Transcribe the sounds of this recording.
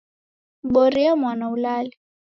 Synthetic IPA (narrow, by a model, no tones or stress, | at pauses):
ɓoɾiamwanaulaːlɛ